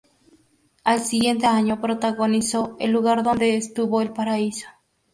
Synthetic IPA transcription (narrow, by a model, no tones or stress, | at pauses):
alsiɣje̞nt̪eaɲopɾot̪aɣonisoḛlːuɣaɾðond̪eːst̪uβoelpaɾaiso̥